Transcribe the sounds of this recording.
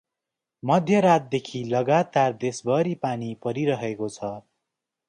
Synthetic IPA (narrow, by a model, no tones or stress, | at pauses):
mʌd̪ʱjʌɾat̪̚d̪ekʰilʌɡat̪ard̪esbʌɾipanipʌɾiɾʌɦekot͡sʰʌ